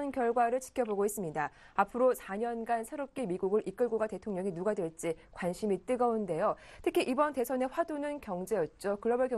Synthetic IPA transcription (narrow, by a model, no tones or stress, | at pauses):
nkjʌɭɡwaɾɯɭt͡ɕʰi̥kʰjʌboɡois͈ɯmɲida | apʰɯɾosʰaɲʌnɡansʰeɾop̚k͈imiɡuɡɯɾʔik͈ɯɭɡoɡate̞tʰoŋɲʌŋinuɡadwe̞ɭt͡ɕ͈ikwanɕʰimit͈ɯɡʌunde̞jotʰɯkʰiʔibʌnte̞sʰʌne̞ɸwadunɯnkjʌŋd͡ʑe̞jʌt̚t͡ɕ͈okɯɾʌbɯɭkjʌ